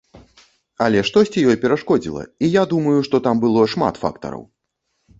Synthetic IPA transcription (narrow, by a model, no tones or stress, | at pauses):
ɐlʲɛʂt̪ɔsʲt͡sʲijɔjpʲɛɾaʂkɔd͡zʲḭlˠɐ̰ijad̪umɐjuʂt̪ɔt̪ambɨlˠɔʂma̰t̪fa̰kt̪ɐ̰ɾɐ̰w